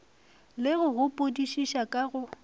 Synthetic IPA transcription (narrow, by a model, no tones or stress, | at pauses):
lɪɣʊɣʊpʼodiʃiʃakʼaɣʊ